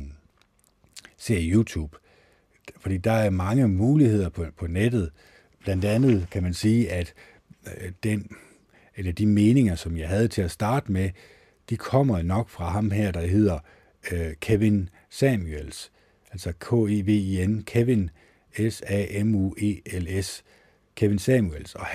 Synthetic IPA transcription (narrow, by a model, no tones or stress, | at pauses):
se̝ɐ̰jut͡sʰṵːb̥ | fɒd̥ḭːd̥ɑ̈æɐmɑ̈ŋəmuːlihe̝ð̞̰ˠɐpʰpʰɒ̽ned̥ð̞̩ˠ | b̥lænd̥ænð̞̩ˠkʰæmænsiːæd̥ | d̥en | elɐd̥ime̝ːne̝ŋɐsɒ̽mjɑ̈ɪɦæð̞̩ˠt͡sʰe̝læsd̥ɑ̈ːd̥əme | d̥ikʰɒ̽m̰ɐnɒ̽ɡ̥fʁɑ̈ɦɑ̈mɦeɐ̰d̥ɑ̈ɦe̝ð̞̰ˠɐ | kʰeʋe̝n | sɛmuels | ælsɒkʰo̰ːeʋe̝̰ːienkʰeʋen | esɛ̰emṵːe̝eles | kʰeʋe̝nsɛmuelsɒ̽